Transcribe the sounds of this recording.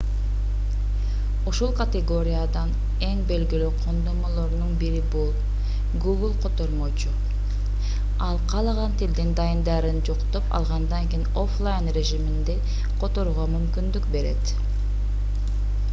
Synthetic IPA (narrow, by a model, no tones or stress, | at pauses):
uʃulˠkat̪ʲeɡo̞ɾʲijad̪ɑn | e̞ŋbe̞lɡilyqʰo̞nd̪o̞molˠo̞ɾnunbiɾibulˠ | ɡuɡlˠqʰo̞t̪o̞ɾmot͡ʃu | ɑlˠqʰɑlˠɑʁɑnt̪ʰild̪ind̪ɑjɯnd̪ɑɾɯnd͡ʒoqt̪o̞pɑ̰lˠʁɑnd̪ɑŋkejno̞flˠajnrʲe̞ʒimind̪e | qʰo̞t̪o̞ɾuʁɑmymkynd̪ykbe̞ɾe̞̰t̪